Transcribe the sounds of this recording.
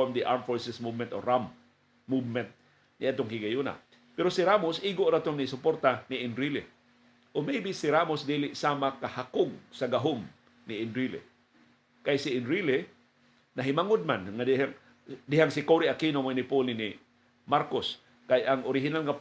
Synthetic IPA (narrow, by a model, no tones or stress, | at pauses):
omd̪iʔaɾmfoɹsɪsmuvmɛnt̪o̰ɾamː | uvmɛnt̪̚ | nɪat̪oŋkiɡajuna̰ | pɛɾosiɾamosʔiːɡoʔɾat̪oŋnɪisʊpoɾt̪aniɪnɾilɪ | ʔomejbisɪɾamosd̪iːlɪʔsaːmakahakʊɡ̚saɡaɦom | nɪɪnɾilɪ̰ | kajsiɪnɾilɪ | naɦɪmaŋʊd̪̚manŋad̪ihaŋ | d̪ɪhaŋsɪkoɾiakiːnomoinɪpolini | maɾkos | kajʔaŋʔoɾɪɦɪnalŋa